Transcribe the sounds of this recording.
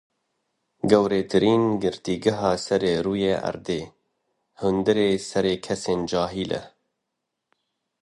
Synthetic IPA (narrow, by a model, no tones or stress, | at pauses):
ɡɛwɾeːt̪ʰɨɾiːnɡɨɾt̪iːɡɨɦɑːsɛɾeːɾuːjeːʔɐ̰ɾd̪eː | hʊnd̪ɨɾeːsɛɾeːkʰɛseːnd͡ʒɑːɦiːlʔɛ̰